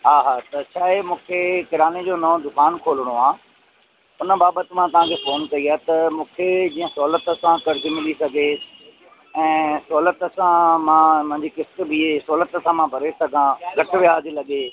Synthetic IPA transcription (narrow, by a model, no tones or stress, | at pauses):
ɦaːɦaːt̪ɐt͡ɕʰaːɦemũːkʰekɪɾaːned͡ʑoːnɐõd̪ʊkaːnkʰoːləɽ̃oaː | ʊnə̆baːbət̪ɪ̆mãt̪ɐʋ̤ãkʰeːfoːnkɐiaːt̪ɐmũːkʰed͡ʑiːə̃sɔːlət̪əsãkɐɾɪd͡ʑimɪlisɐɡʱe | ɛ̃ːsɔːlət̪sãmãmʊ̃ɦɪ̃ɲd͡ʑikɪst̪̆bʱiesɔːlət̪sãmãbʱɐɾesɐɡʱãɡʱɐʈɪʋijaːd͡ʑilɐɠe